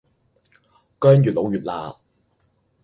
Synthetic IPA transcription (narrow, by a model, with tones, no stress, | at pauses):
kœː˥ŋjyː˨˩t̚lo˨˥wjyː˨˩t̚la̰ː˨˩